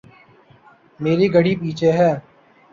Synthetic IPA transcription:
meːɾiːɡəɽiːp̬iːt͡ʃʰeːɦɛː

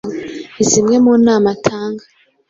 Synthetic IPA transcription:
izimŋe̞muːnaːmatʰaːŋɡa

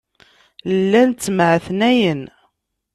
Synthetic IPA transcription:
lːænt͡sːəmʕθnæjən

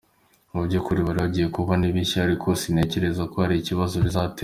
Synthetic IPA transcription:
mubɟokuɾiβaɾiβaɟiːje̞kuβaniβiʃiaɾikʰo̞sine̞ce̞ɾe̞zakohaɾiciβazoβizate

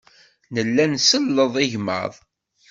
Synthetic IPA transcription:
nəlːænsəlːəðˤiʝmə̰ðˤ

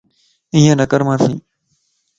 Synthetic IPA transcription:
ɪ̃ɦãnəkəɾmãːsḭ̃ː

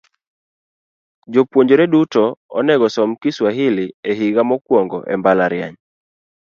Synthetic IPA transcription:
d͡ʒopwoɲd͡ʒoɾedutɔɔ̰nɛɡɔsɔmkɪswaɦɪlɪeɦiɡamɔkwɔŋɡɔ̰ʔɛmbalaɾɪa̰ɲ

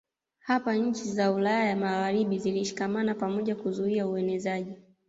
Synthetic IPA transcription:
hapaɲ̩t͡ʃizaulajajamaɣaɾiɓiziliʃi̥kamanapamɔʄakuzuiauɛnɛzaʄi

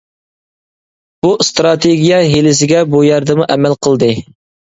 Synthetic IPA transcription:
b̥ust̪ɾɑt̪ʰeɡʲijɑɦelɪs̬ɪɡʲɛbujɛɾd̪ɨmuʔɛmɛlqʰəlˠd̪ɨ

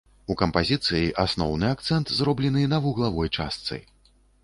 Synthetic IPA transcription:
ukɐmpazʲit̪sɨjiʔasnɔ̰wnɨak̚t̪sɛnt̪zrɔblʲɛnɨnɐvuɣlˠavɔjt͡ʂast̪sɨ̰j

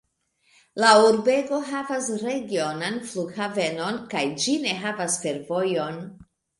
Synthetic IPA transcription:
lauɾbe̞ɡo̞ɦavasɾe̞ɡio̞nanfluɡhave̞no̞nkajd͡ʒine̞ɦavasfe̞ɾvo̞jo̞n

